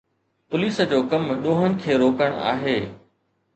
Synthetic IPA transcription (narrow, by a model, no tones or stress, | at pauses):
pʊliːsəd͡ʑoːkɐmɗõːɦənɪ̆kʰeːɾoːkəɽ̃a̰ːɦeː